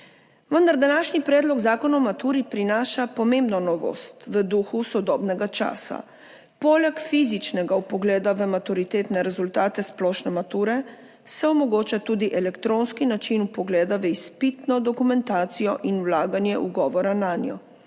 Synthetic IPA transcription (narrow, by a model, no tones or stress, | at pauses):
ʋənd̪aɾd̪anaːʃnipɾɛːd̪lɔɡzaːkɔnɔmat̪uːɾipɾinaːʃapɔmẽmbnɔnɔʋo̰ːst̪ʋəd̪uxusɔd̪ɔːbnɛɡat͡ʃa̰ːsa̰ | pɔlɛkfizit͡ʃnɛɡaupɔɡlɛːd̪aʋəmat̪uɾit̪eːt̪nɛɾɛzult̪aːt̪ɛsplɔːʃnɛmat̪uːɾɛ | sɛɔmɔɡoːt͡ʃat̪uːd̪iʔɛlɛkt̪ɾoːnskinat͡ʃinupɔɡlɛːd̪aʋəispit̪nɔd̪ɔkumɛnt̪aːt̪sijɔʔinuwlaːɡanjɛʔuɡɔːʋɔɾanaːnjɔ̰